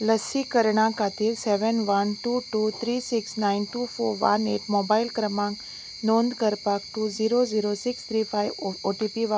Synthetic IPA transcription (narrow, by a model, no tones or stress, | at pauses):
ləsikəɾɳakʰaːt̪iɾsɛʋənʋɐnʈuːʈuːt̪ʰɾiːsɪksnaɪnʈuːfʰoːɾʋa̰nḛːʈmoːbaɪlkɾəmãŋk | nõːnd̪kəɾpak̚ʈuziːɾoziːɾosɪkst̪ʰɾiːpʰajʋoʈipiʋa